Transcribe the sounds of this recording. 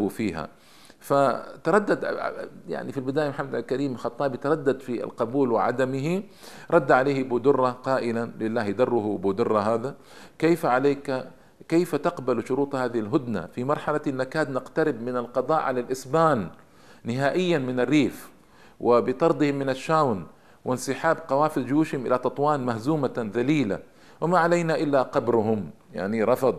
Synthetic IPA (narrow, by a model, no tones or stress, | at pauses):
ufiːɦa̰ | fat̪ɑɾˤɑd̪ːad̪ja̰ʕnifilbɪd̪aːjamħamːad̪alkaɾiːmxɑt̪ˤːɑːbjɪt̪ɑɾˤɑd̪ːad̪fḭlqɑbuːlwɪ̰ʕa̰d̪amɪɦi | ɾˤɑd̪ːaʕaleːhbuːd̪ʊrˤːɑqɑːʔɪlalɪlːaːhjd̪ɑrˤːʊhbuːd̪ʊrˤːɑɦaːða | kejfaʕaleːk | kejfat̪ɑqbalʃʊɾuːt̪ˤhaːðɪhɪlɦʊd̪na̰fimɑɾˤħalanːakaːd̪nɪqt̪aɾɪbmɪnalqɑd̪ˤɑːʔʕalalʔɪsbaːnː | ɪɦaːʔɪjːanmɪnarːiːf | wɪbɪt̪ˤɑɾˤd̪ˤɪhɪmːɪnaʃːaːwn | wɪnsɪħaːbqɑwaːfɪld͡ʒjuːʃhɪmʔɪ̰lat̪ɑt̪ˤwɑːnmahzuːmaðaliːla̰ | wɪmaʕalajnaʔɪlːaqɑbɾʊɦʊm | ja̰ʕniɾˤɑfɑd̪ˤ